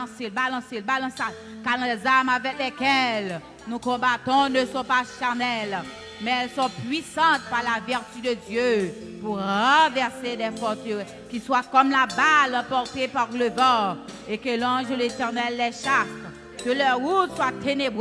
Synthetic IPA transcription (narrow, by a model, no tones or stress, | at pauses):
selbalɑ̃selbalɑ̃sal | kal̃lɛzamavɛklɛkɛl | nũkɔ̃bat̪ɔ̃nəsɔ̃paʃaʁnɛl | mɛɛlsɔ̃pɥisɑ̃t̪̚paʁlavɛʁt̪yd̪əd̪jø | puʁʁɑ̃vɛʁsed̪ɛfɔʁt̪øʁɛ | kiswakɔmlabalɑ̃pɔʁt̪epaʁləvɔ̃ | ekəlɔ̃ʒəlet̪ɛʁnɛlːɛʃas | kəlœʁʁut̪swat̪eneb